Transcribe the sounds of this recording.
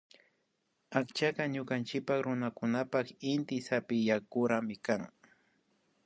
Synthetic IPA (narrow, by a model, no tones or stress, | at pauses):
akt͡ʃakaɲʊkant͡ʃɪpakɾʊnakʊnapakɪnt̪ɪsapɪjakʊɾamɪkaŋ